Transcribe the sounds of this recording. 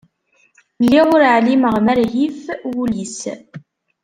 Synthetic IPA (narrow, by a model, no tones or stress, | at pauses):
lːiʁʊɾʕliməʁmæɾɦifwulis